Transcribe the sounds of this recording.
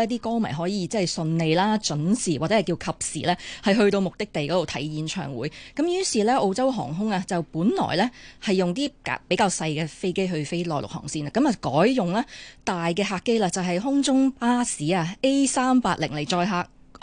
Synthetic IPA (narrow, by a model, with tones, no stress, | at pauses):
t̪̬iː˥kɔː˥mɐ̰˨˩jɦɔː˨˥jiː˨˧t͡sɛ˥˨jsɵ˧nne˨jlaː˥t͡ʃɵ˨˥nsiː˨waː˨t͡sɛ˨˥˨jkiː˧wkʰɐ˨p̚sḭː˨˩lɛː˥hɐ˨jɦɵ˧ɥt̪o˧wmʊ˨k̚t̪ɪ˥k̚t̪e˨jkɔː˨˦t̪o˨wt̪ʰɐ˨˥jjiː˨˥nt͡ʃʰœ̰ː˨˩ŋwuː˨˥jkɐ˨˦mjyː˥siː˨˩lɛː˥ʔo˧wt͡sɐ˥wɦɔ̰ː˨˩ŋɦʊ˥ŋaː˧t͡sɐ˨wpuː˨˥nlɔ̰ː˨˩jlɛː˥hɐ˨jːʊ˨ŋt̪iː˥ka̰˨˩pe˨˥jkaː˧wsɐ˧jkɛː˧fe˥jke˥jɦɵ˧ɥfe˥jlɔː˨˩lʊ̰˨k̚hɔ̰ː˨˩ŋsiː˧naː˨˧kɐ˨˥mɐ˨kɔː˨˥jjʊ˨ŋlaː˥t̪aː˨jkɛː˧ɦaː˧kːe˥jlaː˧t͡sɐ˨wɦɐ˨jɦʊ˥ŋt͡sʊ˥ŋpaː˥siː˨˥aː˧ʔe˥jsaː˥mpaː˧˥k̚lɪ˨˩ŋle˨˩jt͡ʃɔː˧jɦaː˧k̚